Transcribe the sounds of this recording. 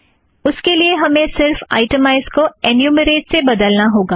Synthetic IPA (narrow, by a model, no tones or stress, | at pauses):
ʊskelieɦɐmẽsɪɾfa̰ːɪʈəmaɪzkoenjuːməɾeːʈsebɐd̪əlnaɦoːɡaː